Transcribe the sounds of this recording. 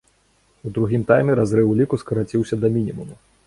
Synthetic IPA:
ud̪ɾuɣʲimt̪ajmʲɛɾazɾɨwlʲikuskɐɾat͡sʲiwsʲɐd̪ɐmʲinʲimumu

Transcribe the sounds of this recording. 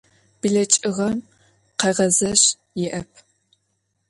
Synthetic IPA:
b̥iɮɐt͡ʃʼɨʁɐm | qɐʁɐzɐɕ | jɪʔɐpʰ

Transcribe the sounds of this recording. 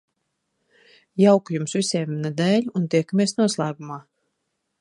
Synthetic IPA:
jawkujumsvisʲɛːminad̪ɛːʎʲunt̪iɛkamʲeɛsnuɔslˠaːɡumaː

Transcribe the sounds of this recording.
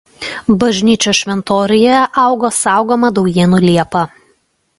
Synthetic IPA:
bɐʒʲnʲiːt͡ʃʲoʃʲʋʲɛnt̪oːɾʲɪjɛʔɑˑʊɡoːsɑˑʊɡoːmɐd̪ɔʊjiːnuːlʲiɛpɐ

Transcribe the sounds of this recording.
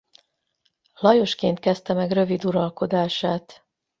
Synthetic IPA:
lɒjo̞ʃkeːnt̪̚kɛst̪ɛmɛɡrø̞vid̪uɾɒlko̞d̪aːʃaːt̪

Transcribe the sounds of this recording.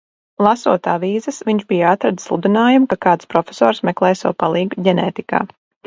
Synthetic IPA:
lˠasṵɔt̪aːviːzɨsʋiɲʃbijat̪ɾad̪sslˠṵd̪inaːjumkakaːt̪spɾɔfʲesɔ̰ːɾsmɛklˠɛːjsawpalˠiːɡɟʲɛnɛːt̪ika̰ː

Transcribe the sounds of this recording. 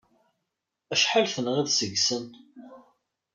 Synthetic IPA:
æʃħalθənʁiðsəɡsən

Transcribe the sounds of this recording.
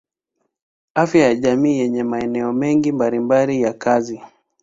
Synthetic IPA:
afjajaʄamiːjɛɲɛmaɛnɛɔmɛŋɡimbalimbalijakazi

